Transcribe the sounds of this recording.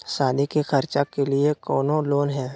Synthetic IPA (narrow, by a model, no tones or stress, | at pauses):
saːd̪ikexəɾt͡ʃakelɪekɔːnõloːnɦɛ̃ː